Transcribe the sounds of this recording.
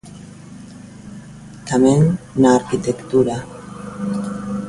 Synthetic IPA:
t̪amennaːɾkit̪ekt̪uɾa

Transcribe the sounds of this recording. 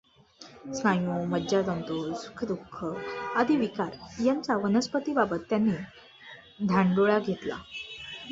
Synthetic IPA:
skajõməd͡ʑat̪ənt̪usu̥kʰəd̪ukʰːəad̪ʱiʋikaɾjaɲt͡saʋənəspət̪ibabət̪ːjanːiː | d̪ʱaɳɖoɭaɡʱet̪la̰

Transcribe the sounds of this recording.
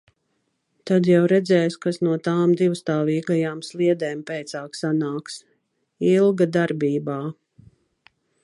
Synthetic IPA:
t̪ad̪jawɾɛd̪zɛːjskasnuɔt̪aːmd̪iwst̪aːviːɡajaːmslˠiɛd̪ɛːmpɛjt̪saːksanaːks | ilˠɡad̪aɾbiːbaː

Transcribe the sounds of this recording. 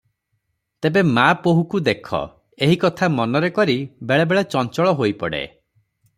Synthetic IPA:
t̪ebemapoɦukud̪ekʰɔ̰ | eɦikɔt̪ʰamɔnɔɾekɔɾibeɭebeɭet͡ʃɔnt͡ʃɔɭɔɦojpɔɽḛ

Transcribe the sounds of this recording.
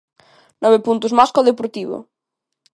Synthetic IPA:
nɔβepunt̪uzmaskɔðepoɾt̪iβo̰

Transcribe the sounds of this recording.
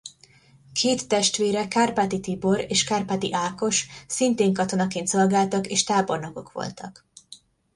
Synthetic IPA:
kʰeːt̪ːɛʃt̪ʋeːɾɛkarpat̪it̪ibo̞ɾeːʃkarpat̪iʔaːko̞ʃsint̪eːŋkɒt̪o̞nɒkeːnt̪so̞lɡaːlt̪ɒkeːʃt̪aːbo̞rnɒko̞kʋo̞̰lt̪ʰɒk

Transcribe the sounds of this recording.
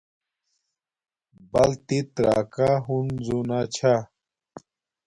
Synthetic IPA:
bɐlt̪it̪ɾa̰ːkaɦunzunat͡ɕʰa

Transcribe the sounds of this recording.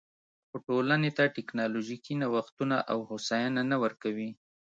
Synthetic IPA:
xoʈolanet̪aʈɪknɑloʒikinawaxt̪unaʔawhosajananawəɾkawi

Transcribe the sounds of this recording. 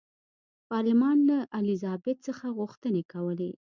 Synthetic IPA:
pɑɾlɪmɑnlaʔalizɑbɪt̪̚səxaɣuxt̪ənekawəle

